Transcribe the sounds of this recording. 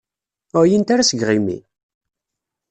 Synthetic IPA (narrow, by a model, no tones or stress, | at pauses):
ʊjənt̪aɾasəɡʁimḭ